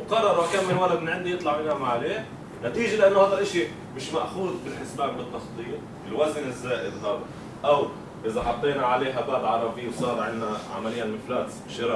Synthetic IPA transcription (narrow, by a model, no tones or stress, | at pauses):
wqɑrˤːɑɾˤakaːmmɪnwalːad̪̚mɪnʕɪnd̪ijɨt̪ˤlɑʕmɪnaːmaʕaleː | nat̪iːʒalɪʔanːohaːd̪alʔɪʃi | mɪʃmaʔxuːd̪bɪlħɪsbaːblɨt̪ːɑsˤt̪ˤːɨjːa | ɪlwaznɪzːaːʔɪd̪ɦad̪a | ʔaw | ʔɪzaħɑt̪ˤːeːnaʕaleːɦabaːb̪ʕɑɾˤɑbɪjːwsˤɑːɾˤʕɪnːaʕa̰malɪjːalmɪflaːt̪bɪʃɪɾɑ